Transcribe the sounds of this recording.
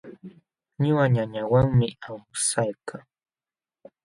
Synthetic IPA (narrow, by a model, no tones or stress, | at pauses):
ɲʊwaɲaɲawaŋmɪawsajkaŋ